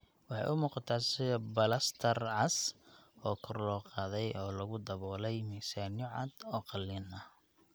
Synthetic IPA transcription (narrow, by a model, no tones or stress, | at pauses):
wɑħɑ̰jʔʊmuːqɑt̪ʰaːsɪðbɐlɐst̪ʰɐrʕɑsɔːkʰʊrlɔːqɑːðɛjʔɔːlɐɣʊd̪ɐβɔːlɛjmiːsanjʊʕɑ̰d̪ɔːqɑlːinɐ